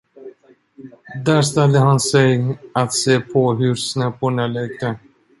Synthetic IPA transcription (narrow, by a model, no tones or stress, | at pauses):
d̪æːɾst̪ɛld̪əɦansɛjat̪seːpʰɔɦɵɾsnɛpːʊɳalɛɡ̚t̪ə